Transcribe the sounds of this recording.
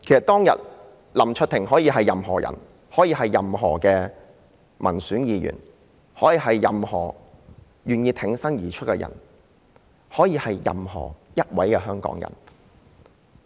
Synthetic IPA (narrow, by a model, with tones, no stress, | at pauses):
kʰe˨˩sɐ˨t̪ɔː˥ŋjɐ˨t̚ | lɐ˨˩mt͡ʃʰɵ˧˥t̪ʰɪ˨˩ŋɦɔː˨˥jiː˧ɦɐ˨jːɐ˨mɦɔ̰ː˨˩jɐ̰˨˩n | hɔː˨˥jiː˧hɐ˨jːɐ˨mɦɔ̰ː˨˩kɛː˧ | mɐ̰˨˩nsyː˨˥njiː˨˧jy̰ː˨˩n | hɔː˨˥jiː˧ɦɐ˨jːɐ˨mhɔ̰ː˨˩ | jyː˨njiː˧t̪ʰɪ˨˥ŋsɐ˥ŋjiː˨˩t͡ʃʰɵ˥t̚kɛ˧jɐ̰˨˩n | hɔː˨˥jiː˧hɐ˨jːɐ̰˨mhɔ̰ː˨˩jɐ˥t̚wɐ˨˥jkɛ˧ɦœː˥ŋkɔ̰ː˧˥ŋjɐ̰˨˩n